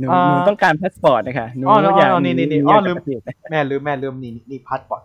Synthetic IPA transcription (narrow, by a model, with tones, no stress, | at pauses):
nuː˨a˦˧nuː˧˦t̪ɔ˥˩ŋkaː˧npʰa˦˥t̪̚pɔː˨˩t̪̚na˦˧kʰa˦˥˩nu˦ɔː˦˧˩jaː˨˩ɔː˧niː˧˩niː˥˧˩niː˧˩aː˥˧˩lɯː˧˨i˨˩na˦mɛː˧˩lɯː˧˩mɛː˧˩lɯː˧˩mniː˧˩i˧niː˧˩pʰa˦˥t̪̚bɔ˨˩